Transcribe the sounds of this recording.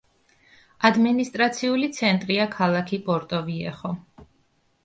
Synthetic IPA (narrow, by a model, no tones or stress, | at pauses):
ad̪minist̪ʼɾat̪sʰiulit̪sʰɛnt̪ʼɾiakʰalˠakʰipʼɔɾt̪ʼɔviɛχɔ